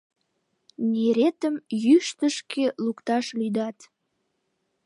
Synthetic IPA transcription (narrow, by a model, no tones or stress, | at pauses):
nʲeɾet̪əmjyʃt̪əʃkʰelukt̪ɑʃlyd̪ɑt̪